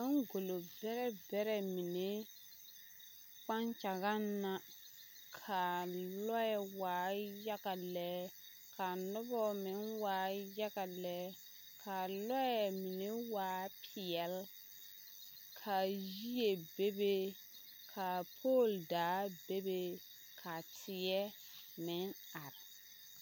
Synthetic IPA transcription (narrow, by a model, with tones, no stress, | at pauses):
a˦ŋɡo˨lo˨bɛ˦ɾɛ˦bɛ˦ɾɛ˨mi˨ne˦ | k͡pa˦nt͡ʃa˨ɣa˦nːa˦ | kʰa˨lɔ˦jɛ˨waː˨˦ja˦ɣa˨lɛ˦ | kʰa˨nʊ˦bɔ˦mɪ˨˦nwaː˨˦ja˦ɣa˨lɛ˦ | kʰa˨lɔ˦jɛ˨mi˨ne˦waː˨˦pʰɪ˨ɛ˨l | kʰa˨ji˦je˨be˦be˦ | kʰa˨pʰoː˦˨ldaː˨˦be˦be˦ | kʰa˨tʰɪ˨jɛ˦ | mɪ˨˦ŋa˨ɾɪ˨